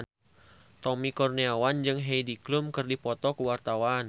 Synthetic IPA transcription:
t̪ɔmikɔrniawand͡ʒɨŋɦejdiklumkɨrdipɔt̪ɔkuwart̪awan

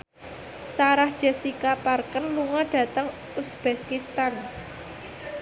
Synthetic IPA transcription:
saɾahd̥ʒ̥ɛ̤sikaparkənluŋɔɖ̥ä̤t̪əŋ | usb̥ekist̪an

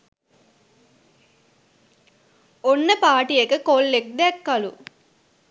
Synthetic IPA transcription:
onːəpaːʈijekəkolːek̚d̪ɛɛkːalu

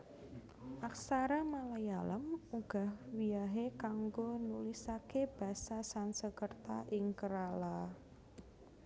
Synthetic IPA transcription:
ʔaksaɾamalajalə̰muɡ̥a̤hwiaɦekaŋɡonulisakeb̥a̤sasansəkərt̪aʔɪŋkəɾala

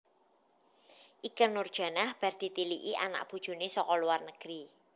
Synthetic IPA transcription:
ʔikənːʊrd̥ʒ̥a̤nahb̥a̤rd̪̥i̤t̪iliʔiʔa̰na̰ʔb̥ṳd̥ʒ̥ṳnesɔkɔluwarnəɡ̥əɾi

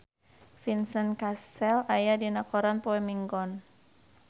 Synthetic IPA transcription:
finsənkastɛlajadinakɔɾanpoɛmiŋɡɔn

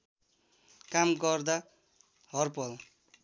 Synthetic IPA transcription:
kamɡʌrd̪a | ɦʌrpʌl

